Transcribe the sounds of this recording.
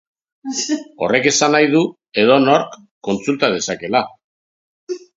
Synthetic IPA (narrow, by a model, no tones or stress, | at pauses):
o̞̰re̞ke̞sanajðu | e̞ð̞onoɾkː | o̞nt͡sult̪að̞e̞sake̞la